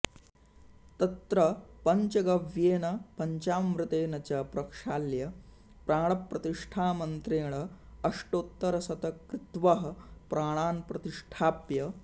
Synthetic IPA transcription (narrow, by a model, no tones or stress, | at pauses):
t̪ɐt̪ɾɐpɐɲt͡ʃɐɡɐʋjeːnɐpɐɲt͡ɕaːmʋɾut̪eːnɐt͡ɕapɾɐkʂaːljɐ | pɾaːɽ̃ɐpːɾɐt̪iʂʈʰaːmɐnt̪ɾeːɽ̃ɐː | ʂʈoːt̪ːɐɾɐsɐt̪ɐkɾɪt̪ʋɐɦɐpɾaːɽ̃aːnpɾɐt̪iʂʈʰaːpjɐ